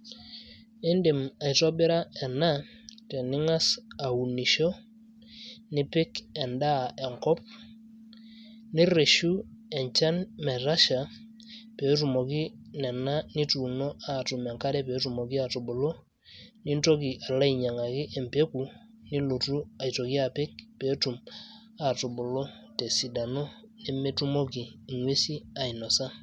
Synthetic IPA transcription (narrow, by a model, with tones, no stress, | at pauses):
ɪ˦ndɪ˨ma˨i˨tɔ˦bɪ˦ɾa˦ɛ˨na˦ | tɛ˨nɪ˦ŋa˦sa˨u˨ni˨ʃo˦ | nɪ˦pɪ˦kɛ˨nda˦˨ɛ˨ŋkɔ˦p̚ | nɪ˦ɾe˨ʃu˦ɛ˨ɲt͡ʃa˦nmɛ˨ɾa˦ʃa˨ | pe˨˦tu˨mo˨ki˦ | nɛ˨na˦ni˦tu˨no˦a˨tʊ˨mɛ˨ŋka˦ɾɛ˦pe˨˦tu˨mo˨kɪ˦a˨to˨bo˨lo˦ | nɪ˦nto˦ki˨ʔa˨la˦i˨ɲa˨ŋa˨kɪ˦ʔɛ˨mpe˦ku˨ | nɪ˦lo˨tu˦a˨jto˨ki˦a˨pɪ˦k̚pe˨˦tu˨m | a˨to˨bo˨lo˦te˨si˨da˨no˦ | nɛ˦me˦tu˦mo˦kiː˨ŋwe˦si˦a˨i˨nɔ˨sa˦